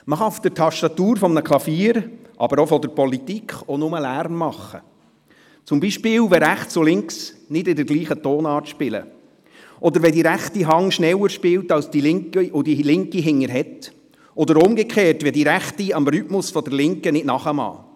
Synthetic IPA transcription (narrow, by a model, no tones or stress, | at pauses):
məχɑʊfd̪̥ərtʰɑʃtɑt̪uːɾfɔmnəkʰlɑfiːɾʔɑ̰bəɾɔfɔdəɾpɔlit̪ikχɔnʊməlæɾmːɑχːə̰ | t͡sʊmbiːʃpɪːwʋɛɾæχt͡sʊlɪŋksnɪdɪdəɾɡ̥liːχətoːnɑːrtʃpɪlə̰ | ʔɔdəɾʋɛdiɾæχtiɦɑŋʃnɛwəɾʃpɪwtɑlsd̥ilɪŋkiʔʊd̥ilɪŋkiɦɪŋːəɾɦɛt | ɔd̪əɾʊmɡɛkχeːrtʋɛdiɾæχtiɑmɾʏtmʊsfɔdərlɪŋkənɪdnɑχəmɑ̰ː